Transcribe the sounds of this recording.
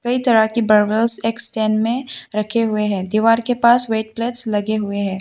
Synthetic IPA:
kɐit̪ɐɾakibɐɾʋəlseːksʈɛːnmẽɾɐkʰeɦʊeɦɛ̃ːd̪iːʋaːɾkepaːsʋeːʈ̚pleːʈslɐɡeɦʊeɦɛ̃ː

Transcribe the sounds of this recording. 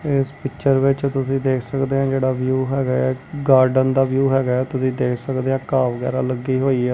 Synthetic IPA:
ɪspɪkt͡ʃəɾʋɪt͡ʃt̪ʊsĩːd̪eːkʰsəkd̪eːãːd͡ʒeːɽaːʋjuːɦɛːɡaːɛːɡaːɾɖənd̪aːʋjuːɦɛːɡaːɛːt̪ʊsĩːd̪eːkʰsəkd̪eːãːkaːʋəɡɛ̰ːɾaːləɡːiːɦoːiːɛː

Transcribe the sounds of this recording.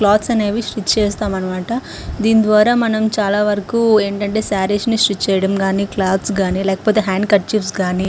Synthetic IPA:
klaːt̪sɐne̞ːʋiʃɾit̪ːt͡ʃɛːst̪aːmɐnɐmaːʈɐ | d̪iːnd̪ʋaːɾaːmɐnɐmt͡ʃaːlaːʋɐɾɐkuːe̞ːɳʈɐɳʈeːsaːɾiʃniʃɾit̪t͡ʃɛːjɐɽɐmɡaːniklaːd̪sɡaːnilɛːkɐpoːt̪e̞ːɦaːŋɖkɐʈ̚t͡ʃipsɡaːni

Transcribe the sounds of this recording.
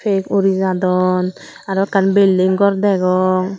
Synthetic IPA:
fekoɾizadɔn | adɔkanbeldeŋɡɔɾdɛɡɔŋ

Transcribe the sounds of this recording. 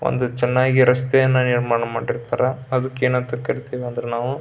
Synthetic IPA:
o̰nd̪ut͡ʃɛnːaːɡiɾɐst̪ɛjɐnːuniɾmaːɳɐmaːɖiɾt̪aːɾɐɐd̪ukːeːnɐnt̪ɾɐkɐɾit̪iːʋiɐnd̪ɐɾenaːʋu

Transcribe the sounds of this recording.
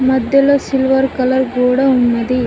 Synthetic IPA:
mɐd̪ːɐlɐsɪlʋɐɾkɐlɐɾɡuːɽɐʊmːɐði

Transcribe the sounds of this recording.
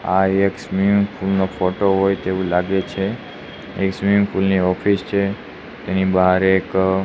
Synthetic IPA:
aeksmimfulnofoʈoɦojt̪eʋũlaɡet͡ʃʰe | eksmimfulniɔfist͡ʃʰe | t̪enibəɦaɾek

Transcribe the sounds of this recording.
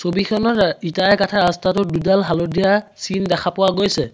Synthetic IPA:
sobikʰɔnɔɹitajɛkatʰaastatʊdudalɦalɔdijasindɛkʰapʊwaɡojsɛ

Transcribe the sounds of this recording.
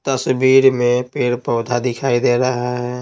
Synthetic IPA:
t̪əsbiːɾmẽpeːɽpəːd̪ʱad̪ɪkʰaːid̪eɾəɦaɦɛ

